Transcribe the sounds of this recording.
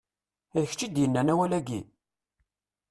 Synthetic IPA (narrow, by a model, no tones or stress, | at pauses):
æjəçt͡ʃːid̪jənːænæwælæɡi